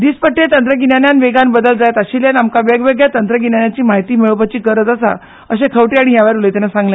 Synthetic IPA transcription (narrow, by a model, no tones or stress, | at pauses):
d̪iːspəʈːet̪ənt̪ɾəɡinjanjanʋeɡanbəd̪əld͡zajt̪əɕiljanamkaʋjəɡʋeɡjat̪ənt̪ɾəɡinanjat͡ɕiːmaɦjt̪iːmeɭopət͡ɕiːkəɾət̪əsa̰ | əɕẽkʰəʋʈiaɽ̃iɦjaʋaɾulet̪anasãŋɡlã